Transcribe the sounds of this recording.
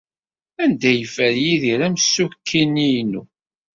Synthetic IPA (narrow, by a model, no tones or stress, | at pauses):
ænd̪æjəfəɾjiðiɾæmsːukʰːinːijnṵ